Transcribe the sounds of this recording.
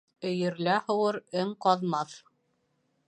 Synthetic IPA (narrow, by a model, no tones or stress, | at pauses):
ɵ̆jɘ̆ɾlæhɤ̆wɤɾɘŋqɑðmɑθ